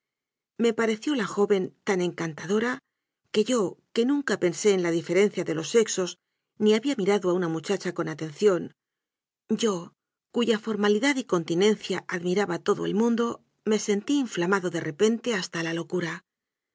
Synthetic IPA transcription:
me̞paɾe̞θjo̞laxo̞βe̞nt̪ane̞ŋkant̪að̞o̞ɾa | ke̞ʝo̞ke̞nũŋkape̞nse̞ːnlaðife̞ɾe̞n̟θjaðe̞lo̞se̞kso̞s | niaβiamiɾaðoaunamut͡ʃat͡ʃako̞nat̪e̞nθjo̞n | ɟ͡ʝo̞ | kuʝafo̞ɾmaliðaðiko̞nt̪inẽ̞nθjaʔaðmiɾaβat̪o̞ðo̞e̞̰lmũnd̪o̞ | me̞se̞nt̪iːɱflamaðo̞ðe̞re̞pe̞nt̪e̞ast̪alalo̞kuɾa

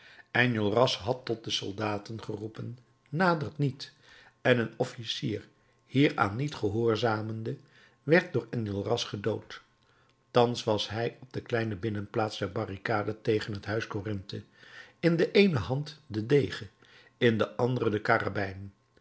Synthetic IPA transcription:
ʔanulˠrɑsɦɑtːɔt̚dəsɔ̰lˠdaːtənχərupənː | aːdərtnit | ɛnənɔfisiːr | hiːɹa̰ːnːitχəɦʊːɹzaːməndə | ʋɛɹt̚dʊːɹanəlˠrɑsχədowtː | ɑnsʋɑsɦɛjɔb̚dəklɛjnəbɪnənplaːtzdɛɹbɑrikaːdətejχənɦətɦœɥskorɪntə | ɪndəʔejnəɦɑntdədejχə | ɪndəʔɑndərədəkaːra̰bɛjnən

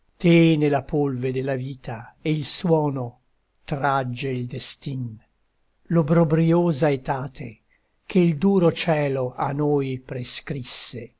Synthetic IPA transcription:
t̪enelapolved̪elːaviːt̪aeilswɔːno | t̪ɾad͡ʒːeild̪est̪in | lobɾobɾioːzaet̪aːt̪e | k̟ʰeild̪uːɾot͡ʃɛːloʔa̰nojpɾeskɾisːe

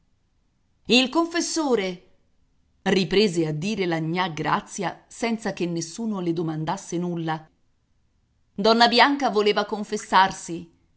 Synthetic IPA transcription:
ilkoɱfesːoːɾe | ripɾeːzead̪ːiːɾelaɲːaɡɾa̰t̪sːjasɛnt̪sak̟enːesːuːnoled̪omand̪asːenulːa | d̪ɔnːabjaŋkavoleːvakoɱfesːarsi

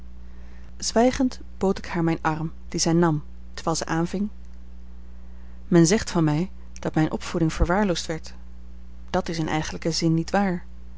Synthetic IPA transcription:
z̥ʋɛjχənt | b̥owtɪkhaːɹmɛjnʔɑrm | d̥izɛjnɑm | təɹʋɛːlˠzɛʔaːnvɪŋ | mɛnzɛχtfɑnmɛj | d̥ɑtmɛjnʔɔ̰pfudɪŋv̥əɹʋaːɹlowstʋɛɹt | d̥ɑtɪsɪnʔɛ̰jχənləkəzɪnːitʋaːɹ

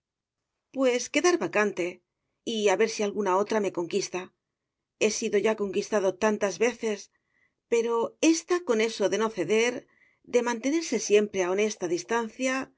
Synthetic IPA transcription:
pwe̞ske̞ðaɾβakant̪e̞ | iaβe̞ɾsialɣunao̞t̪ɾame̞ko̞ŋkist̪a | e̞siðo̞ʝako̞ŋkist̪aðo̞t̪ant̪azβe̞θe̞s | pe̞ɾo̞e̞st̪ako̞ne̞so̞ðe̞no̞θe̞ðe̞ɾ | d̪e̞mãnt̪e̞ne̞ɾse̞sje̞mpɾe̞ao̞ne̞st̪aðist̪an̟θja

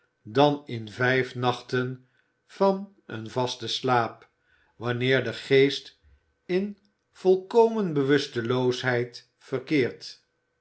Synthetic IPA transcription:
dɑnɪnvɛjfnɑχtən | v̥ɑn | ə̰nvɑstəslaːp | ʋɑnɪːɹdəχejst | ɪn | v̥ɔlˠkowmənbəʋɵstəlowsɦɛjt | fərkɪːɹt

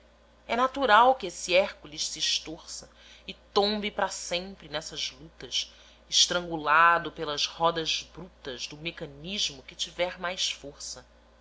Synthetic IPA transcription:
ɛnat̪uɾawkɪesiɛɾkuliʃsiːʃt̪oɾsɐ | ɪt̪õmbɪpɾasẽmpɾɪnɛsɐzlut̪ɐs | ɪʃt̪ɾɐ̃ŋɡulad̪ʊpelɐzhɔd̪ɐzbɾut̪ɐzd̪ʊmekɐ̃niʒmʊkɪt͡ʃivɛɾmajsfoɾsɐ

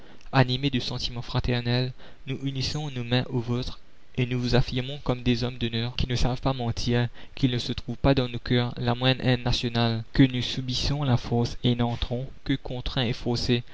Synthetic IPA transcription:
animed̪əsɑ̃t̪imɑ̃fχat̪ɛʁnɛl | nuʔynisɔ̃nomɛ̃ʔozot̪χ | enuvuzafiʁmɔ̃kɔmd̪ezɔmd̪ɔnœːʁkʲinəsavpamɑ̃t̪ʰiːʁkʲilnəsət̪χuvpad̪ɑ̃nokœːʁlamwɛ̃d̪ɛ̃nnːasjɔnalkənusybisɔ̃lafɔʁsenɑ̃t̪χɔ̃kəkɔ̃t̪χɛ̃efɔʁse

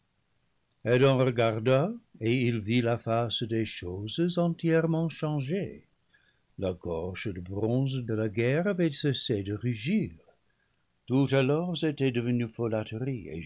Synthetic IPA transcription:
ɛdɑ̃ʁəɡaʁdaeilvilafasdeʃozəzɑ̃tjɛʁmɑ̃ʃɑ̃ʒe | laɡɔʁʒədəbʁɔ̃zdəlaɡɛʁavɛsesedəʁyʒiːʁ | tutalɔʁzetɛdəvənyfolatəʁiḛ

